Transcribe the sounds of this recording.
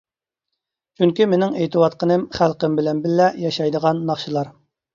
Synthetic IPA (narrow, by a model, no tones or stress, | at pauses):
t͡ʃʰyŋkʲimenɪŋejt̪ʰɨwɑt̪̚qənɨmχælˠqəmbɪlɛnbɪlːɛjɑʃɑjd̪əʁɑnːɑχʃɨlˠɑɾ